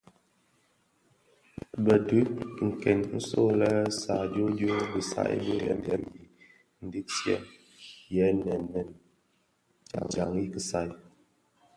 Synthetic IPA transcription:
bə˨dʉ˦ŋ̩˨kɛ˨nn̩˦so˦˨lɛ˦sa˨d͡ʒo˦do˦bə˨sa̰˦ʔbə˦jɛ̰˨˦n˦dɛ˦mji˨ | n̩˨di˦k̚sjɛ̰˦m | jɛ˨˦nɛ˨nmɛ˨n | d͡ʒa̰˨ŋd͡ʒa˨ŋi˦kə˨sa˨j

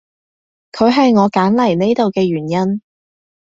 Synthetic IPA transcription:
kʰɵ˨˧ɥɦɐ˨jŋɔː˨˧kaː˨˥nlɐ˨˩jne˥jt̪o˨wkɛː˧ɥyː˨˩njɐ˥n

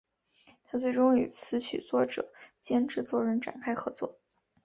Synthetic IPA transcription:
t̪ʰa˥t͡swe˥˩ɪʈ͡ʂʊ˥ŋy˨˩t͡sʰɹ̩˧˥t͡ɕʰy̰˨˩t͡swɔ˥˩ʈ͡ʂɤ̰˨˩˦t͡ɕjɛ˥nʈ͡ʂɻ̩˥˧t͡swɔ˥˩ɻə˧˥nʈ͡ʂa̰˨˩nkʰa˥ɪxɤ˧˥t͡swɔ̰˥˩

